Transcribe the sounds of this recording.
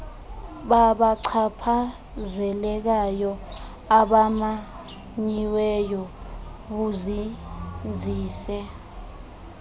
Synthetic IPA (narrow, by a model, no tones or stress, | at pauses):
ɓaɓaǀʰapʰa | zɛlɛk̬ajɔ | aɓama | ɲiwɛjɔɓuzind͡zʱiːsɛ